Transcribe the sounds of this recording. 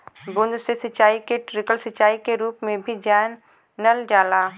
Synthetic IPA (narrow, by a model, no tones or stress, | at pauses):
bʊ̃nd̪sesɐt͡ʃːaːikeʈɾɪkəlsɐt͡ʃːaːikeɾuːpmẽbʱid͡ʒɛːnː | əld͡ʒaːlaː